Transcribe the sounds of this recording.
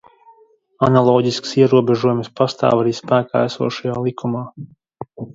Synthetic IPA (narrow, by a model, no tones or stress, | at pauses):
analˠɔːɟisksiɛɾuɔbɛʒuɔjumspast̪a̰ːvaɾiːspæːka̰ːæsṵɔʃajaːlˠikumaː